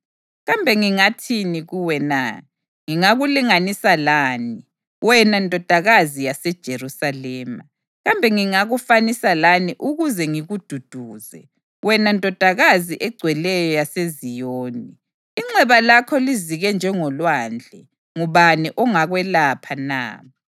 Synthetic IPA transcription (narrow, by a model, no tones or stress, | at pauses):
ɣambʱɛŋiŋatʰiniɣuwɛna̰ | ŋiŋaɣuliŋanisalaːni | wɛnantʼɔd̥ʱaɣazijasɛd̥ʒ̥ʱeɾusalɛːma | ɣambʱɛŋiŋaɣufanisalaniʔuɣuzɛŋiɣud̥ʱud̥ʱuːzɛ̰ | wɛnantʼɔd̥ʱaɣaziʔɛɡ͡ǀʱwɛlɛjɔjasezijoːni | iŋ͡ǀɛβalakʰɔliziɣɛnd͡ʒʱɛŋɔlwaːnd͡ɮʱɛ | ŋuβaniʔɔŋaɣwɛlapʰana̰ː